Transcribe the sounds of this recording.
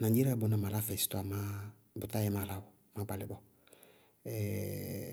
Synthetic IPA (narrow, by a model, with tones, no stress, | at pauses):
nã˨d͡ʒi˦ɾa˦bʊ˨˦nã˨ma˨la˦fɛ˨si̥˦tʊ˦a˨ma˦ | bʊ˨ta˦jɛ˦ma˨la˦wɔ˨ | mã˨˦ɡ͡ba˨lɪ˨bɔ˨ | ɛ˨